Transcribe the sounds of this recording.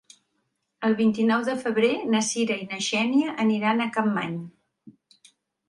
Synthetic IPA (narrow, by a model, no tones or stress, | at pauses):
əlˠβint̪inɔwðəfəβ̞ɾenəsiɾəinəʒɛniəʔəniɾanəkamːaɲ